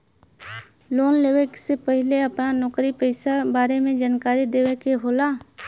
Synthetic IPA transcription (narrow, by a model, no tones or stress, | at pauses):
loːnleːʋeksepəɦɪleəpnanɔːkɾipəɪsabaːɾemẽd͡ʒaːnkaːɾid̪eːʋekeɦoːlaː